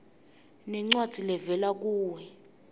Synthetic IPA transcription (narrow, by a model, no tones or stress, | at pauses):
nɛŋ͡ǀwad̥ʱilɛvɛlak̬uːwɛ